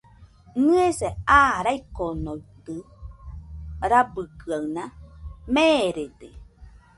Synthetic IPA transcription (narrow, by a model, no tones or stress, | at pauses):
nɨeseaːɾajkonojt̪ɯ | ɾabɯkɯawnameːɾed̪e